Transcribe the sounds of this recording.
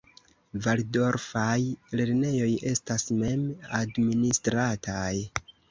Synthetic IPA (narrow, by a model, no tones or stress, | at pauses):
valdo̞ɾfajle̞ɾne̞jo̞je̞stasme̞madministɾatʰaj